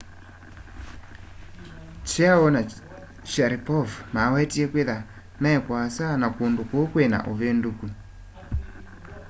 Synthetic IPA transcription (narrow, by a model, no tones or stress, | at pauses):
t͡ʃɛaɔna | ʃaɾipɔfmawɛtiɛkweða | naɛkwasanakundukokwena̰ʔoβenduku